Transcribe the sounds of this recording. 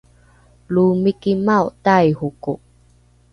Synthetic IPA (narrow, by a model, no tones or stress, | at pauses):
lumikimawʔt̪ajhukoʔ